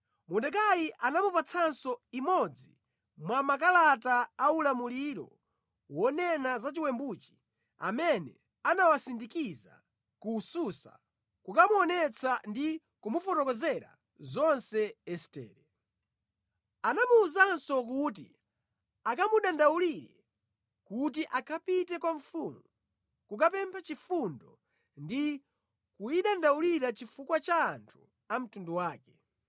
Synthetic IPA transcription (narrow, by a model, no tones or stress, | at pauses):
mundɛkajiʔanamupat͡sʰansɔimɔd͡zi | mwamak̬alataːulamuliɾɔ̰ | wɔnɛnazat͡ʃiwɛmbut͡ʃi̥ | a̰mɛnɛ | anawasindikiza̰ | kususa̰ | kukamuɔnɛt͡sʰandi | kumufɔtɔkɔzɛɾa̰ | zɔnsɛɛsi̥tɛ̰ːɾɛ | anamuːzansɔk̬ut̬ḭ | akamuɗandauliɾɛ | kut̬iʔakʰapitɛkwaɱfumu | kukapɛmpʰat͡ʃifundɔ | ndi | kuiɗandauliɾat͡ʃifukwat͡ʃaːntʰu | am̩tunduwaːkɛ̥